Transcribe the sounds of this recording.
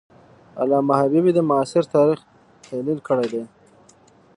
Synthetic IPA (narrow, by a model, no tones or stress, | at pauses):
a̰lɑmahabibid̪əmʊɑsɪɾt̪ɑɾix | t̪ʰalilkəɽejd̪e